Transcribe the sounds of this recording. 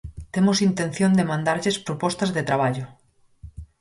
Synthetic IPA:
t̪emosint̪ẽnθjõnd̪emãnd̪aɾʎespɾopɔst̪azðet̪ɾaβ̞aʎʊ

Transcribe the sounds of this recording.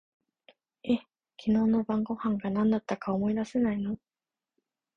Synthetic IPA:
e̞ | kʲʰino̞ːno̞bãŋɡo̞hãŋɡanãnd̪at̪ːakaomo̞id̪ase̞naino

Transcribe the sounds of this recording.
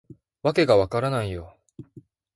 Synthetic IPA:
βake̞ɡaβakaɾanaijo

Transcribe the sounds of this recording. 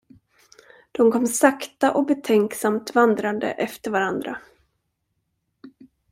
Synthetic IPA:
d̪̥ɔmkʰɔmsakt̪aʔɔbɛt̪ʰɛŋksamt̪vand̪ɾand̪ə̰ʔɛft̪əɾvaɾand̪ɾa

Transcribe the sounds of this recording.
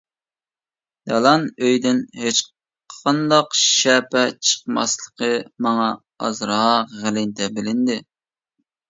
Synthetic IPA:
jɑlˠɑnøjd̪ɪnhet͡ʃ | qʰɑnd̪ɑqʃɛpɛt͡ʃʰə̥qmɑ̰slˠəqʰəmɑŋɑ | ɑ̰zɾɦɑʁɪlɪnt̪ɛbɪlɪnd̪ɪ

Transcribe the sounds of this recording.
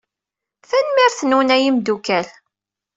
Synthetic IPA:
θænmiɾθnuwnæjimd̪ukæl

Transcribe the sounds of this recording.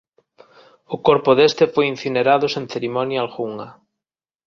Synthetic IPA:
ʊkɔɾpʊðest̪efojin̟θineɾaðʊsẽnθeɾimɔnjaalɣuŋɐ

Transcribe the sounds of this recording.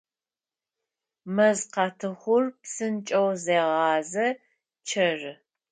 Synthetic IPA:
mɐzqɑtʰɨχʷʊrpsɨnt͡ʃʼɐwzeːʁɑːzɐ | t͡ʃʰɐrɨ

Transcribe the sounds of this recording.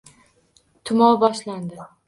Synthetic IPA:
t̪ʰʊmɒwbɒʃland̪ɪ

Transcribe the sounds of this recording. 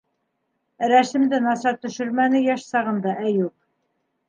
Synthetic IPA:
ɾæsɘ̆md̪ɘnɑsɑɾt̪ɵ̆ʃɵ̆ɾmænɘjæʃsɑʁɤ̆nd̪ɑʔæjup̚

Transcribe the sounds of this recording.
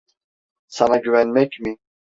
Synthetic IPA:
sanaɟyvɛnmɛcmi

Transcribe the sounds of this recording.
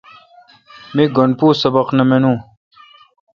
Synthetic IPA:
miɡɐɳpuːsɐbɐqnɐmenũː

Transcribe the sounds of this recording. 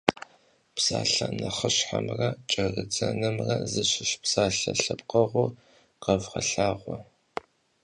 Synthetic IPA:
psaːɬɐnɐχəɕħamrɐt͡ʃʼɐrɨd͡zɐnɨmrɐzɨɕɪʃpsaːɬɐɬɨpqɐʁʷʊ | qɐvʁɐɬaːʁʷɔ

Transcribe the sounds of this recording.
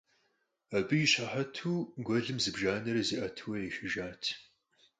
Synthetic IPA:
ɐbɨjɪɕɐħɐtʰuːɡʷɔɮɨmzɨbʒaːnɐɾɐziʔɐtʰɨwɐjɛʃɪʒaːtʰ

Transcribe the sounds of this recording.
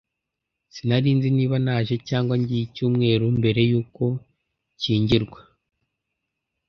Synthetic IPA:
sinaɾiːnziniːβanaːʒe̞caːŋɡwaɲɟijicuːmŋe̞ːɾumbe̞ɾe̞juːko̞ | ciːɲɟiɾɡwa

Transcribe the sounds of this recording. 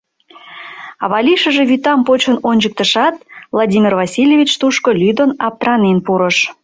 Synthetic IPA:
ɑβɑlʲiʃəʒeβyt̪ɑmpot͡ɕənonʲd͡ʑək̚t̪əʃɑt̪̚vlˠɑdʲimʲirvɑsʲilʲjevʲit͡ɕt̪uʃkolʲyd̪onɑp̚t̪rɑnenpuɾəʃ

